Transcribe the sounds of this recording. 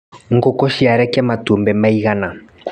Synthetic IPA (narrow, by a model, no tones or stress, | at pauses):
ŋ̩ɡɔkɔʃiaɾɛkiamatumbɛmaiɣana